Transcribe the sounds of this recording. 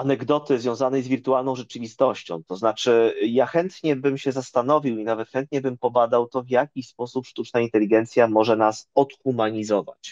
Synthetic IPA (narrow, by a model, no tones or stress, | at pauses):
anɛɡd̪ɔt̪ɘzvʲjɔ̃w̃zanɛjzvʲiɾt̪ualnɔ̃w̃ʐɛt͡ʂɘvʲist̪ɔɕt͡ɕɔ̰̃w̃t̪ɔznat͡ʂɘjaxɛnt̪ɲɛbɘmɕɛzast̪an̪ɔvʲiwinavɛt̪xɛnt̪ɲɛbɘmpɔbad̪awt̪ɔvjakʲispɔsupʂt̪ut͡ʂnaint̪ɛlʲiɡɛnt̪sʲjamɔʐɛnasɔt̪xumaɲizɔva̰t͡ɕ